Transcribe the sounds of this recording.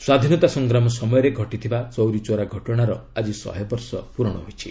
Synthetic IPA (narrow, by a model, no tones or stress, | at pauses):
swad̪ʱinɔt̪asɔŋɡɾamɔsɔmɔjɔɾeɡʱɔʈit̪ʰibat͡ʃɔwɾit͡ʃoɾaɡʱɔʈɔɽ̃aɾɔad͡ʒisɔ̰ɦjɔbɔɾsɔpuɾɔɽ̃ɔ̰ɦojt͡ʃʰi